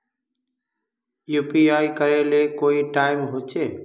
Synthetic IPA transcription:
juːpiːaːikəɾelekoːiʈaːɪmɦoːt͡ʃʰeː

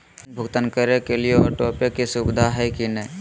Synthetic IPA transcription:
bʱʊɡt̪ənkəɾekelieɔːɾʈɔːpekisubɪd̪ʱaɦɛkinəĩ

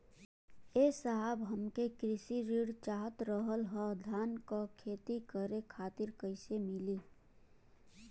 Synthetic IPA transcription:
eːsaɦəbɦəmkekɾɪsiɾiːɽt͡ʃaːɦət̪ɾəɦəlɦɔd̪ʱaːnkokʰeːt̪ikəɾekʰaːt̪ɪɾkəɪsemɪliː

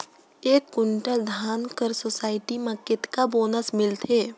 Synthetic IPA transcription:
eːkːʊɳʈəld̪ʱaːnkəɾsoːsaːɪʈimɐkːɪt̪kaboːnəsmɪlt̪ʰeː

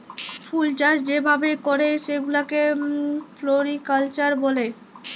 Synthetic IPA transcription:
fʰult͡ɕaʃd͡ʑebʱabekoɾeʃeɡulake | floɾikalt͡ɕaɾbole

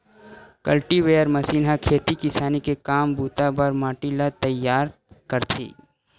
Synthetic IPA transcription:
kɐlʈiʋeːəɾmɐsiːnɦakʰeːt̪ikɪsaːnikekaːmbuːt̪abɐɾmaːʈilat̪ɐjaːɾ | kɐɾt̪ʰḭː

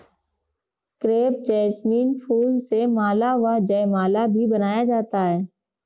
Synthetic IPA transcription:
kɾeːp̚d͡ʒɛːsmiːnfʰuːlsemaːlaʋad͡ʒəjmaːlabʱibɐnaːjad͡ʒaːt̪aɦɛː

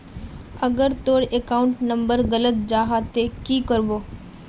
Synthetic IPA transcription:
əɡəɾt̪oːɽekaːʊɳʈnə̃mbəɾɣələt̪̚d͡ʒaːɦat̪ekiːkəɾboː

